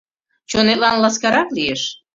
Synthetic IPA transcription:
t͡ɕonet̪̚lɑnlɑskɑɾɑklieʃ

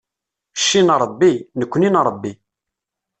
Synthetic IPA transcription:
ʃːinɾˤəbːinəkʷːninɾˤəbːi

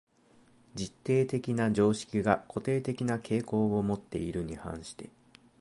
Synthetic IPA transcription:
d͡ʑit̪ːe̞ːt̪e̞kʲinad͡ʑo̞ːɕi̥kʲiɡako̞t̪e̞ːt̪e̞kʲinakʰe̞ːko̞ːo̞mo̞t̪ːe̞̰iɾɯ̟ɲ̟ihã̰ɰ̃ɕi̥t̪e̞

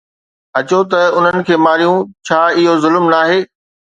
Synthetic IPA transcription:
ɐt͡ɕot̪ɐʊn̤ənɪ̆kʰeːmaːɾijũt͡ɕʰaːɪɦozʊlmnaːɦeː

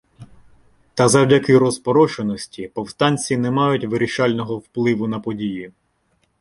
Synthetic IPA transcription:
t̪ɐzɐwdʲɐkɪɾɔzpɔɾɔt͡ʃenɔsʲtʲipɔwst̪ɑnʲt͡sʲinɛmɑjʊtʲʋɪɾʲiʃɑlʲnɔɦɔwplˠɪʋʊnɐpɔdʲiji

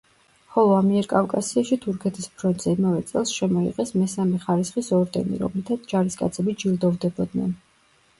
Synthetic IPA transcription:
χɔlˠɔamiɛɾkʼafkʼasiaʃit̪ʰuɾkʰɛt̪ʰispʰɾɔnt̪ʼz̥ɛimavɛt̪sʼɛlˠsʃɛmɔḭqʼɛsmɛsamɛχaɾisχisɔɾd̪ɛ̰nḭɾɔ̰mlit̪ʰat̪sʰd͡ʒaɾiskʼa̰t̪sʰɛbid͡ʒilˠd̪ɔvd̪ɛbɔd̪nɛ̰n

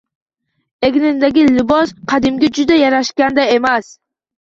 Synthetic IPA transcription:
eɡʲnɪnd̪aɡʲɪlɪbɒsqʰɑd̪ɪmɡʲad͡ʒʊd̪ajaɾaʃkʲand̪aemas

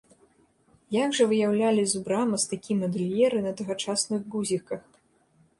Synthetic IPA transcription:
jaɡʐɐvɨjawlʲalʲizubɾamɐst̪akʲimɐd̪ɨlʲjɛɾɨnɐt̪ɐɣɐt͡ʂasnɨɣɡuzʲikɐx

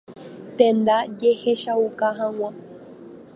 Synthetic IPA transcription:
t̪ẽnd̪ad͡ʒeheʃaukaɦãw̃ã

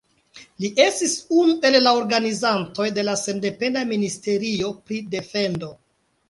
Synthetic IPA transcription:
liʔe̞stisunue̞lːao̞ɾɡanizanto̞jde̞lase̞nde̞pe̞ndaministe̞ɾio̞pɾide̞fe̞ndo̞

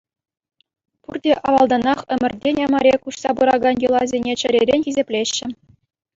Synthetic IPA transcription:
purdʲeʔɑʋɑlˠd̪ɑnɑχɘ̆mʲɘ̆rʲdʲenʲɑmɑɾʲekuɕsɑbuɾɑɡɑnjulˠɑzʲenʲet͡ɕɘ̆ɾʲeɾʲenʲxʲizʲepʲlʲeɕːɘ̆

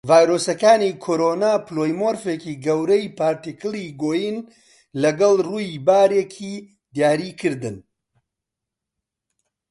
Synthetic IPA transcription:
vaːjɾoːsɐkaːnikʰoɾonaːplojmoːɾfekiːɡɐwɾɐjpʰaːɾt̪ikʰɨliɡoːjin | lɐɡɐlruːjibaːɾekʰiː | d̪jaːɾiːkʰɨɾd̪ɨn

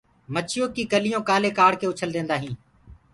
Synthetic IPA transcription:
mət͡ʃʰɪjoːkiːkəlɪjõːkaːleːkaːɽkeːʊt͡ʃʰəld̪ẽːnd̪aːɦĩː

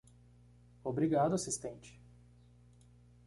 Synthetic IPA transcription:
obɾiɡad̪ʊasist̪ẽnt͡ʃɪ̥

